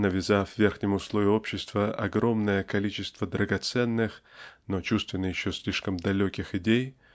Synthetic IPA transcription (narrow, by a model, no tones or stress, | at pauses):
nəvʲɪzavʲvʲerxnʲɪmʊslˠovʲɪopɕːɪst̪vəʔɐ̰ɡɾo̞mnəjəkɐlʲit͡ɕɪst̪vəd̪ɾəɡɐt̪sɛnːɨxno̞t͡ɕust̪vʲɪnːəjɪɕːosʲlʲiʂkəmd̪ɐlʲokʲɪxɪdʲej